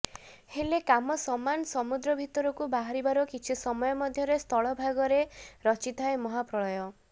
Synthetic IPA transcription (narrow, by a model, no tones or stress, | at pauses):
helekamɔsɔmanɔsɔmud̪ɾɔbʱit̪ɔɾɔkubaɦaɾibaɾɔkit͡ʃʰisɔmɔjɔmɔd̪ʱjɔɾest̪ʰɔɭɔbʱaɡɔɾeɾɔt͡ʃit̪ʰaemɔɦapɾɔɭɔjɔ